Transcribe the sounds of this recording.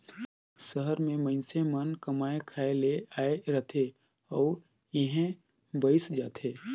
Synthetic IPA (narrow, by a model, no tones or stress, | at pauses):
səɦəɾmẽməɪnsemənkəmaːekʰaːeleaːeɾət̪ʰe | ɔːɾ | ɪɦẽ | bəɪsd͡ʒaːt̪ʰeː